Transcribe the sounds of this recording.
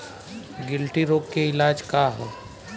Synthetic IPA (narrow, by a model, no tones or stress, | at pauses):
ɡɪlʈiɾoːkːeɪlaːd͡ʒkaɦoː